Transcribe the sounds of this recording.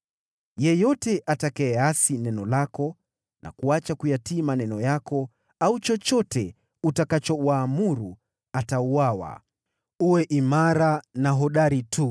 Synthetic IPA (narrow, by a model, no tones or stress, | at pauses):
jɛjɔtɛʔatakɛːasinɛnɔlakɔ | nʔa̰kuat͡ʃakujatiːmanɛnɔjakɔ | aut͡ʃɔt͡ʃɔtɛ | utakat͡ʃɔwaːmuɾu | atauwawa̰ | uwɛʔimaɾanaɦɔɗaɾitʰu